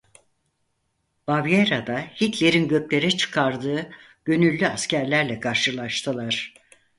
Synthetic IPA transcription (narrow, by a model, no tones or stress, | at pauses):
b̥avjeɾad̪ahit̪ʰlʲeɾinɟø̞plʲe̞ɾɛt͡ʃʰɯ̥kʰaɾd̪ɯː | ɟ̥ø̞nylʲːyascʰæɾlʲæɾlʲɛkʰaɾʃɯlˠaʃt̪ʰɯlˠaɾ̥